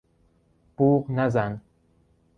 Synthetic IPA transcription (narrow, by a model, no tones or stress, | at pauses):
puːqnazan